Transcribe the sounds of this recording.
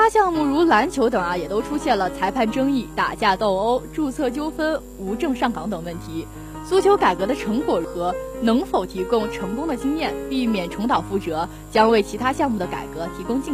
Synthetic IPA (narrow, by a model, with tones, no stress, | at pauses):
t̪a˥ɕjɑ˥˧ŋmu˥˩ɻu˧˥la˧˥nt͡ɕʰjo˧˥ʊt̪ɤ˨˩ŋɐ˦jɛ˨˩t̪o˥ʊʈ͡ʂʰu˥ɕjɛ˥˩nlə˩t͡sʰa˧˥ɪpʰa˥˩nʈ͡ʂɤ˥ŋi˥˩t̪a̰˨˩t͡ɕja˥˧t̪o˥˩ʊo˥ʊʈ͡ʂu˥˧t͡sʰɤ˥˩t͡ɕjo˥ʊfə˥n | u˧˥ʈ͡ʂɤ˥˧ŋʂɑ˥˩ŋkɑ˧˥ŋt̪ɤ˨˩ŋwə˥˩nt̪ʰi˧˥ | su˥t͡ɕʰjo˧˥ʊka˨˩ɪkɤ˧˥d̪ə˧ʈ͡ʂʰɤ˧˥ŋkwɔ˨˩xɤ˧˥nɤ˧˥ŋfo˨˩ʊt̪ʰi˧˥kʊ˥ŋʈ͡ʂʰɤ˧˥ŋkʊ˥ŋd̪ə˨t͡ɕi˥ŋjɛ˥˩npi˥˩mjɛ˨˩nʈ͡ʂʰʊ˧˥ŋt̪ɑ˨˩ʊfu˥˩ʈ͡ʂɤ˧˥ | t͡ɕjɑ˥ŋwe˥˩ɪt͡ɕʰi˧˥t̪ʰa˥ɕjɑ˥˧ŋmu˥˩d̪ə˩ka̰˨˩ɪkɤ˧˥t̪ʰi˧˥kʊ˥ŋt͡ɕi˥˩